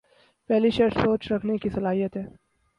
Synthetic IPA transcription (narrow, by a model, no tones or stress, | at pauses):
pɛɦliʃɐʈsoːt͡ʃɾɐkʰnekisɐlaːɦijət̪ɦɛː